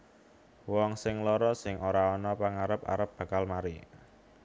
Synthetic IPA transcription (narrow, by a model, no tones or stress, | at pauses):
wɔŋsɪŋlɔɾɔsɪŋʔoɾaɔnɔpəŋaɾəp̚a̰ɾəp̚b̥ä̤kalmaɾi